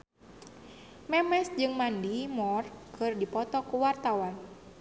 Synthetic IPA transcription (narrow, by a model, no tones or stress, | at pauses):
mɛmɛsd͡ʒɨŋmandimɔrkʰɨrdipɔt̪ɔkuwart̪awan